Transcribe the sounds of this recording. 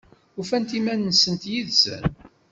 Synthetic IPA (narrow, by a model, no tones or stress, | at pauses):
ufænt̪imænːəsənt̪jiðzə̰n